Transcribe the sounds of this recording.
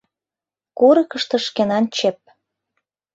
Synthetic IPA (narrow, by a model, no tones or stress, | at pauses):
kuɾɤkə̆ʃt̪ɤ̆ʃkenɑnt͡ɕep̚